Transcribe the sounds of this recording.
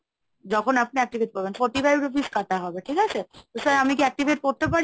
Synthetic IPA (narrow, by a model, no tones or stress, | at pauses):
d͡ʑɔkʰonap̚niɛk̚ʈibʱeʈ̚koɾbenfɔɾʈibajuɾobiskat̪ʰaɦɔbeʈʰikat͡ɕʰet̪osaɾamikiɛk̚ʈibʱeʈ̚koɾt̪epaɾ